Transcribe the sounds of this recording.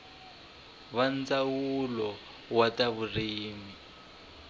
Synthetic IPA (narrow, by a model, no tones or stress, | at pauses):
βand͡zawulɔ | wataβuriːmi